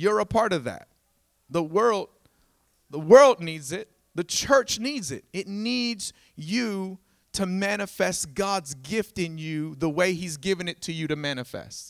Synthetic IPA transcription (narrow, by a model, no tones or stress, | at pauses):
jə˞əpʰɑɹɾʌvðæ̰t̪̚ | ðəwɜ˞lˠd̚ | ðəwɜ˞lˠdⁿnidzɪt̪̚ | ðɨt͡ʃʰɜ˞t͡ʃnidzɪ̰ɾ̚ɨtⁿnidz̥ | jɨ | ɾɨmænɨfɛst̚ɡ̥ɑdzɡɪftɨ̃njɨðəweɪizɡɪvɨ̃nɨtʰɨjɨɾɨmæñɨfɛ̰st̚